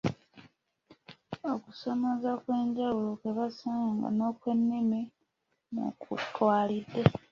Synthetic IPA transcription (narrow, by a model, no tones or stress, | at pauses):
oku̥somazakwe̞ːɲɟawulokeβasaːŋɡa̰no̞kwe̞nːimi | mṵkṵtwaːlidːe